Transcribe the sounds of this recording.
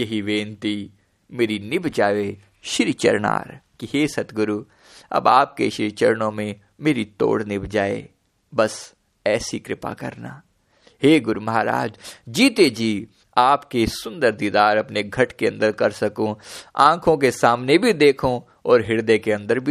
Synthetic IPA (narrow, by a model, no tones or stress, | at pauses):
jɐɦiʋẽːnt̪i | meːɾinɪbʱd͡ʒaːʋe | ʃɪɾit͡ʃə̰ɾna̰ːɾkiɦeːsɐt̪ɡʊɾu | ɐ̰baːp̚kḛʃɪɾt͡ʃəɾnõmẽ | meːɾit̪o̰ːɽnɪbʱd͡ʒaːḛ | bɐs | ɛːsikɾɪpa̰kɐ̰ɾna̰ː | ɦeːɡʊɾumɐɦaːɾa̰ːd͡ʒd͡ʒiːt̪ed͡ʒiː | aːpkesʊ̃nd̪əɾd̪id̪aːɾɐpneɡʱɐʈkeɐ̃nd̪əɾkɐɾsɐkõã̰ːkʰõkesaːmnebʱid̪eːkʰõ | ɔːɾɦɪɽd̪ekeɐ̃nd̪əɾbʱi